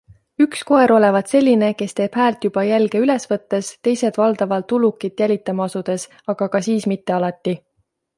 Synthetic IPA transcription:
yksko̞e̞ɾo̞le̞vɑd̪̥se̞lʲːine̞ke̞st̪e̞ːb̥hæːlt̪jub̥ɑjælɡe̞yle̞svɤt̪ːe̞st̪e̞jse̞d̪̥vɑld̪̥ɑvɑlt̪ːulukːˑit̪ːˑjælʲit̪ːˑɑmɑɑsud̪̥e̞s | ɑɡ̥ɑkɑsiːsmit̪ːe̞ɑlɑt̪ːi

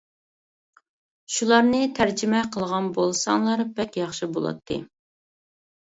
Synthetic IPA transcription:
ʃulˠɑɾnɨt̪ʰæɾd͡ʒɪmɛqʰəlˠʁɑnbolˠsɑŋlˠɑɾbɛkʲjɑχʃibolˠɑ̰t̪ʰːɨ̰

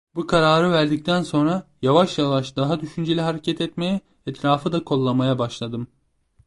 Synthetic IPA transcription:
bukʰaɾaːɾɯvæɾd̪ic̚t̪ʰænso̞nɾajavaʃjavaʃd̪aɦad̪yʃynd͡ʒelʲiɦaɾecʰɛt̪ʰɛt̪mejɛ | ɛt̪ɾaːfɯd̪akʰo̞lˠːamajabaʃlˠad̪ɯm

